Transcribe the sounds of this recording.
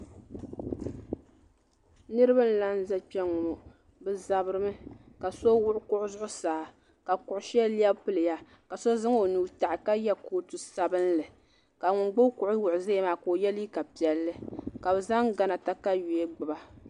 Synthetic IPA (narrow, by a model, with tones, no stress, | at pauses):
nɨ˦ɾɨ˦ba˦n̩˦la˦n̩˦za˦pɛ˦ŋːʊ˨no˨ | bɨ˨za˨bɨ˦ɾɨ˦mɨ˦ka˨so˦wʊ˦ʔʊ˦kʊ˦ʔʊ˦zʊ˦ʔʊ˦saː˨˦ | ka˨kʊ˨ʔʊ˨ʃɛ˦li˦ɛ˦bpɨ˦lɨ˨ja˦ | ka˨so˦zɨ˦ŋ˦o˨nuː˨˦ta˨ʔɪ˨ka˦jɛ˦koː˦˨tu˨sa˨bɨ˦n˦lɨ˨ | ka˨ŋʊ˨ŋɡ͡bʊ˦kʊ˨ʔʊ˦wʊ˨ʔʊ˨ze˦˨maː˨˦ko˨jɛ˦li˦ka˨pi˨ɛ˨lːɨ˦ka˨bɛ˨za˦ŋɡa˨na˨ta˦ka˦ju˨e˦ɡ͡bɨ˨ba˦